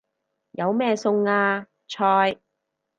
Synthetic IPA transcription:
jɐ˨˧wmɛː˥˧sʊ˧ŋaː˧ | t͡ʃʰɔː˧j

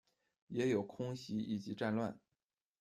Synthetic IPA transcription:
jɛ˧˥jo˨˩ʊkʰʊ˥ŋɕi˥i˨˩t͡ɕi˧˥ʈ͡ʂa˥˧nlwa˥˩n

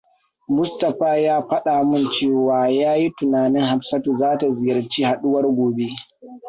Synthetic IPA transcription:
mʊ˦stɐ˨ɸaː˦jaː˦ɸɐ˦ɗa˨mʊ˦nt͡ʃeː˦˨waː˦jaː˦ji˦tʊ˨naː˨nɪ˦ŋha˨msɐ˦tu˨zaː˦ta˨zɪ˨jɐ˨rt͡ʃiː˦ha˨ɗʊ˦wɐ˦rɡʷoː˨be˦

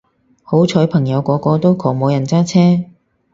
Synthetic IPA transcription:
ho˨˥wt͡ʃʰɔː˨˥jpʰɐ˨˩ŋjɐ˨˧wkɔː˨˧kɔː˧t̪o˥wkʰɔː˨˩ŋmo˨˧wjɐ˨˩nt͡saː˥t͡sʰɛː˥

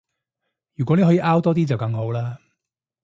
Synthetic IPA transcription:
jyː˨kɔ˨˥ne˨˩ɦːiː˨˧ʔaː˥wt̪ɔː˥t̪̬iː˥t͡sɐ˨wkɐ˧ŋɦo˨˥wlaː˥

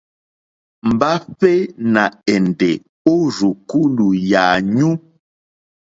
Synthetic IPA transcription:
m̩˨ba˦ɸɛ˦na˨ɛ˨n˨dɛ˨ | o˦ɾu˨ku˦lu˨jaː˨ɲu˦

